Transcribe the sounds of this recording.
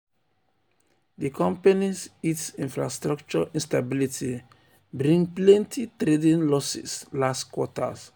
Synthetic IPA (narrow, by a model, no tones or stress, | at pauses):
dikʰɔ̃mpanisitĩnfɹa̰stɾakt͡ʃɔĩnstabilitʰi | bɾĩŋplɛ̃ntʰitɾedĩnlɔsḭslastkwɔta̰s